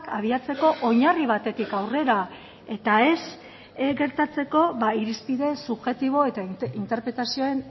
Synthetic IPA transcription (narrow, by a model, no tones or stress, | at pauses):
kaβ̞iat͡se̞ko̞ʔoɲariβ̞at̪e̞t̪ikawre̞ɾa | e̞t̪ae̞s | ɡe̞ɾt̪at͡se̞ko̞βaiɾispiðe̞suβʝe̞t̪iβ̞o̞e̞t̪aint̪e̞ɾpɾe̞t̪asio̞e̞n